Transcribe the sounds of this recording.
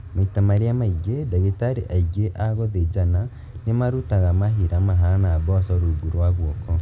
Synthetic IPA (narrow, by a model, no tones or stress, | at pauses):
maitamaɾeamaiɡedeɣetaɾeʔaiɡeʔaɣɔðed͡ʒana | nemaɾutaɣamaɦiɾamaɦanaβɔsɔɾuɡuɾwaɣwɔkɔ